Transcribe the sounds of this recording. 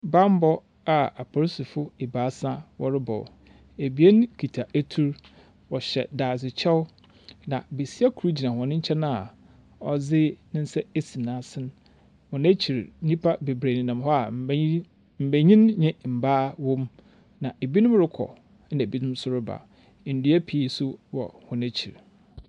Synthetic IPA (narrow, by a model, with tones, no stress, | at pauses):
bã˦m˦bɔ˦ | a˨a˨pʰɔ˨ɾsi˨fʊ˦e˨baː˨˦sã˦wɔ̰˨ɾɪ˦bɔ̰˨w̰ | e˨bi˨˦e˦ñ˦kʰi˨tʰa˨ʔæ˦tʰu˦ɾ | wɔ˨ɕɛ̰˨daː˨sɪ˨t͡ɕʰɛ˦wʊ˦ | nã˨be˨si˦a˦kʰu˨ɾu˦d͡ʑi˨nã˨hɔ̃˨nɪ̃˦ɲ̩˦t͡ɕʰɛ˦nã˦a˨ | ɔ˨d͡zɪ˦nɪ̃˦n̩˦sɛ˦e˦si˨nã˨˦sɪ̃˦n | hɔ̃˨næ˦t͡ɕʰi˨ɾɲĩ˦pʰa˦be˨bɾe˨nĩ˨nã˨mɦɔ˦a˨ | m̩˨bæ˨ɲĩ˦nɲɪ̃˦m̩˨baː˦wõ˦m | nã˨ʔe˨bi˦nʊ̃˦m˦ɾɪ˦kʰɔ̰˨ | n̩˦˨bi˦nʊ̃˦m˦sʊ˦ɾɪ˦ba̰˨ | n̩˨du˦æ˦pʰi˨i˦sʊ˦wɔ̰˨hʊ̃˨næ˦t͡ɕʰḭ˨ɾ